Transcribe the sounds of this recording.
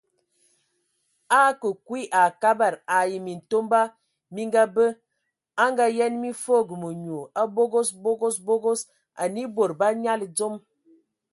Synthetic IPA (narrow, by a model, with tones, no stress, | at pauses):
a˦kə˨kwi˦ʔa˨ka˦ba˨ɾa˨ji˨mi˨n̩˨to˦mba˦ | mi˦ŋɡa˦bə˦ | a˦ŋɡa˦jɛ˦nmi˦fo˦˨ɡə˨mu˨ɲu˨a˦bo˦ɡo˦sbo˦ɡo˦sbo˦ɡo˦s | a̰˨ni˦bo˨ɾba˦ɲa˦ld͡zo˦m